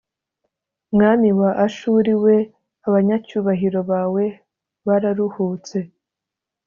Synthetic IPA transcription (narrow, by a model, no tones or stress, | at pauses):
mŋaːmiwaʔaʃuːɾiwe̞ | aβaɲacuːβaɦiɾo̞βaːwe̞ | βaɾaɾuhuːt͡se̞